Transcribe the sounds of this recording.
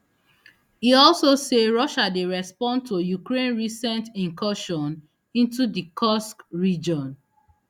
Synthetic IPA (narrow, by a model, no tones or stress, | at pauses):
hiɔlsoseɹɔʃadeɹɛspɔ̃nd̚tojukɹẽnɹisɛ̃ntĩŋkʰɔʃɔ̃n | ĩntudikʰɔskɹid͡ʒɔ̃n